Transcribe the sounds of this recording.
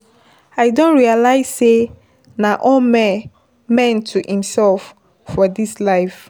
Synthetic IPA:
aɪdõnɹialaɪz̥se | naʔɔlm | mɛ̃ntʰuhĩmsɛlfː | ɔdislaɪf

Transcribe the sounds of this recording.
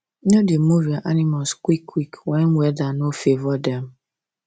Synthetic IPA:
odemuviaʔanimaskwikʰːikwɛnwɛdanofevɔdɛm

